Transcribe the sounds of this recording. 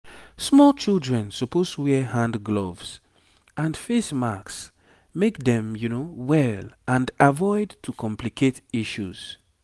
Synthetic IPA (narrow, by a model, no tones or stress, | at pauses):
smɔlt͡ʃilˠdɹɛ̃nsɔpostwɛhãndɡlovs | ʔãnfesmaks | mekdɛ̃mjunowɛlʔãndavɔɪdtʰukʰɔ̃mplikʰetiʃuz̥